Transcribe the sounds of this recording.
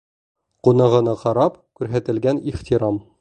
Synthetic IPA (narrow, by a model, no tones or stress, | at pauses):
qunɤ̆ʁɤ̆nɤqɑɾɑpkʉɾɦæt̪ɘ̆lɡæniχt̪iɾɑm